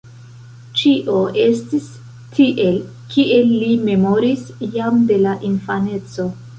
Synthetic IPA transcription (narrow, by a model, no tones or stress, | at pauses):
t͡ʃiʔo̞ʔe̞stis | tʰiʔe̞l | kiʔe̞lːime̞mo̞ɾisjamde̞laʔinfane̞t͡so̞